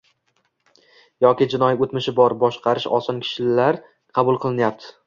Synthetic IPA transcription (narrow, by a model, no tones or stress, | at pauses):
jɒkʲɪd͡ʒɪnɒjot̪mɪʃɪbɒɾbɒʃqʰɑɾɪʃɒ̰sɒnkʲʰɪ̥ʃɪlaɾ | qʰɑbʊlˠqʰɨlˠɪnjap̚t̪ʰɪ̥